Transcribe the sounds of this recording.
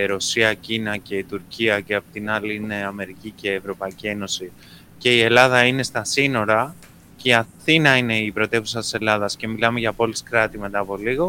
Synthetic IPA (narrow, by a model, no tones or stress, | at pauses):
ɾo̞siɐcinɐce̞it̪uɾciɐce̞ɐpot̪inɐliine̞ɐme̞ɾicice̞ːvɾo̞pɐicie̞no̞si | ce̞ie̞lɐðɐine̞st̪ɐsino̞ɾɐ | ceiɐθinɐine̞ipɾo̞t̪e̞pusɐt̪i̥se̞lɐðɐsce̞milɐme̞ʝɐpo̞liskɾɐt̪ime̞t̪ɐːpo̞liɣo̞